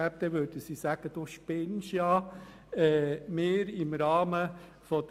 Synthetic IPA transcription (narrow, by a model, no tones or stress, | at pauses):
æp̚d̪ɛʋøɾd̥əsisæɡ̥əd̥̪uʃpɪnʃjɑ | ɛːmeːɾɪmɾɑːmə | fɔd